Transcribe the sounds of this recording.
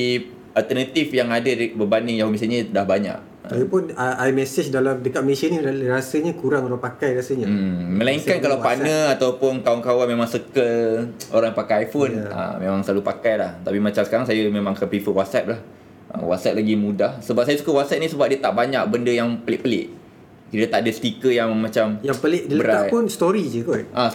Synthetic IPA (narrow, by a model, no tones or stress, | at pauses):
i | alt̪ərnat̪ifjaŋadadbəbandɪŋjaɦomis̬əɲidahbaɲa̰ʔ | əaɡipʊnaʔajmɛsɪt͡ʃdalamdəkat̪̚məlesaniɾasəɲakuɾaŋoɾaŋpakajɾasəɲaməlaiŋkankalawpanəat̪awpʊnkauŋkawanmemaŋsəkəlo̰ɾãŋjapakajajfona̰memãŋsəlalupakajlaht̪apimat͡ʃamsə̥kaɾaŋsajəmemãŋkəpifəwɔt̪̚sɛp̚lah | ʔə̰wɔ̰t̪sɛt̪̚laɡimũdahsəbap̚sajəsukəwɔt̪̚sɛt̚nisəbap̚diət̪aʔbaɲak̚bəndəjaŋpəlɪʔpəlɪ̰ʔ | kiɾət̪aʔdəst̪ikəjaŋmãt͡ʃamjapəlɪʔdəlbəɾaajpʊnst̪oɾid͡ʒəkɔʔa